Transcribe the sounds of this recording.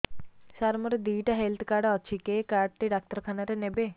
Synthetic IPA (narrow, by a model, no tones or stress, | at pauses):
saɾmuɾed̪iːʈaɦelt̪ʰkaːɾɖɔt͡ʃʰikekaːʈ̚ʈiɖak̚t̪əɾkʰanaɾenebe